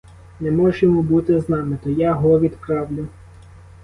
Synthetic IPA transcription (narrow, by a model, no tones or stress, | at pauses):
nɛmɔʒjɔmubut̪ɪznɑmɪt̪ɔjaɦɔʋʲid̪pɾɑwlʲʊ